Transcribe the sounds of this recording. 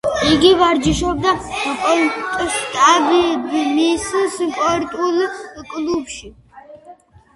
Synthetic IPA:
iɡivaɾd͡ʒiʃɔb̚d̪apʼɔt̪ʼʃt̪ʼabimisspʼɔɾt̪ʼulkʼlubʃi

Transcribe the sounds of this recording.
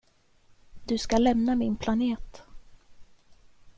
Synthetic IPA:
d̪ɵskalɛmnamɪnpʰlaneːt̪

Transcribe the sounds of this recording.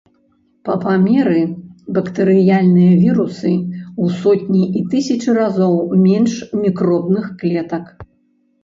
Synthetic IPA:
pɐpamʲɛɾɨbɐkt̪ɨɾɨjalʲnɨjɐvʲiɾusɨusɔtʲnʲiʔit̪ɨsʲɐt͡ʂɨrazɔwmʲɛnʂmʲikɾɔbnɨxklʲɛt̪ɐk

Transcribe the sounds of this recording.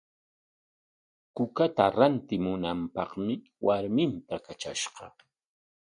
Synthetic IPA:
kʊkat̪aɾant̪ɪmʊnampɑχmɪ | waɾmɪnt̪akat͡ʃaʃɢɑ

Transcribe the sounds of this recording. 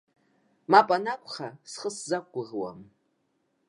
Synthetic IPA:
mapʼanakʷʰʼχasχəszak̚ʷʼɡʊʁwa̰m

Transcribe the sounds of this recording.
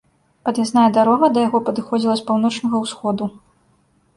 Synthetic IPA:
ɐd̪jasnajɛd̪aɾɔɣɐd̪ɐjaɣɔpɐd̪ɨxɔd͡zʲilˠɐspawnɔt͡ʂnʲɐɣɐwsxɔd̪u

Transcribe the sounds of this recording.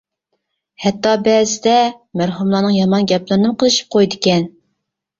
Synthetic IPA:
hɛt̪ːɑbɛzɪd̪ɛ | mæɾɦumlˠɑːnɨŋjɑmɑnɡʲɛplˠɨɾɨnɨmqʰəlˠɨʃi̥p̚qʰojd̪ɪkʲɛn

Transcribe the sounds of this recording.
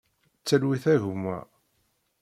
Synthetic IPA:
t͡sːælwiθæʝumːæ̰

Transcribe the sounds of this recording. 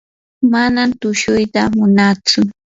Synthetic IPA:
manamt̪ʊʃʊjt̪amʊnat͡sʊ

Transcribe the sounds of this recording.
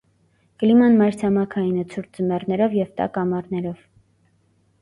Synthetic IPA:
kəlimɑnmɑjɾt͡sʰɑmɑkʰɑjinət͡sʰuɾt͡səmɛrnɛɾɔvjɛvt̪ɑ̰kɑmɑɾnɛɾɔv

